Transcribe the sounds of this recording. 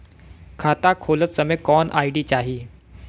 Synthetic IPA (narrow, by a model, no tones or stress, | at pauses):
kʰat̪akʰolət͡ssəmẽkɔnʔa̰iɖiːt͡ɕaɦiː